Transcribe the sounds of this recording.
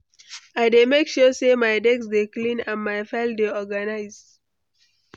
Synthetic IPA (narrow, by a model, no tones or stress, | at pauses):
aɪdemekʃɔsemaɪdɛɡsdeklĩnãnmaɪfɛldeɔɡanaɪz